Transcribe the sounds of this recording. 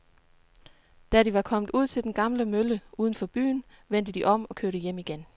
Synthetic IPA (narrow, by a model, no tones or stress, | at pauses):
d̥æɾiʋɑ̈kʰɒ̽mð̩ˠuð̞̰ˠt͡sʰe̝ld̥enɡ̥ɑ̈mləmøləʔuːðˠən̩fɒ̽b̥y̰ːn | ʋen̰d̥əd̥iʔɒ̽m̰ɒ̽kʰøɐɾ̥əjem̰iɡ̥en